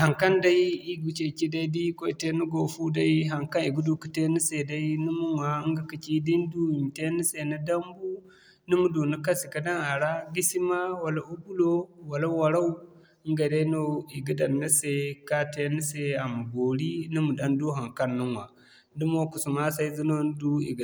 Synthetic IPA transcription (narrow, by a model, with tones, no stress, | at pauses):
ha˨ŋka˦nda˦i˦i˦ɡu˨t͡ʃe˦˨ki˦da˦di˦ko˦i˦˨te˦nu˦ɡo˨fu˦da˦i˦ɦa˨ŋka˦ni˨ɡu˦du˦ki̥˨te˦ni˦se˨da˦i˦nu˦mu˦ŋwa˨˦ŋɡa˨ki˨t͡ʃi˦di˦ndu˦i˨m˨te˦ni˦se˨na˦da˦mbu˦ | ni˦mu˦do˨nu˦ka˦si˨ka˨da˦na˨ɾa˦ɡi˦si˦ma˦wa˨la˨u˦bu˦lo˦wa˨la˦wa˨ɾa˦u˦ | ŋɡa˨da˦i˦no˦i˨ɡi˦da˨nːi˦se˨ka˦te˦ni˦se˦a˨mu˨bo˨ɾi˦ni˦mu˨da˦ndu˦ɦa˨ŋka˦nːu˦ŋwa˨ | du˦mo˦ku˨su˨ma˦sa˦i˦zu˦no˦nu˦du˦ḭ˨ɡ